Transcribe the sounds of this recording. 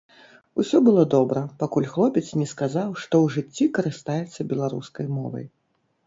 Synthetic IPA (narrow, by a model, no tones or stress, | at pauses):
usʲɔbɨlˠɔd̪ɔbɾɐpakulʲxlˠɔpʲɛt̪t͡s̪snʲɛskazawʂt̪ɔwʐɨt͡sʲːikɐɾɨst̪ajɛt̪sːɐbʲɛlˠaɾṵskɐjmɔ̰vɐ̰j